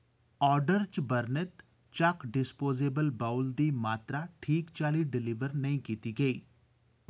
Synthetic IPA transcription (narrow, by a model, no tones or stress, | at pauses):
ɔːɾɖəɾt͡ʃbɐɾnɪt̪ | t͡ʃakɖɪspoːzeːbəlbaːʊld̪imaːt̪ɾaʈʰiːkt͡ʃaːliɖɪliʋəɾnɐɦĩkiːt̪iɡɐiː